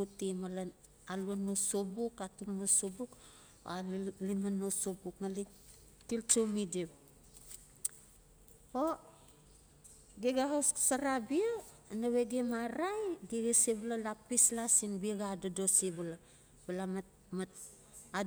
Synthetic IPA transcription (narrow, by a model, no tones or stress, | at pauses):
utimala | aluanosobukatulnosobuk | alimanːosobuknali | tiltomidep̚ | o | ɡeɡaɦossaɾabia | naβeɡemaɾajɡiɡesiβalalapislasinbiaɡadadosibala | bala | ma | a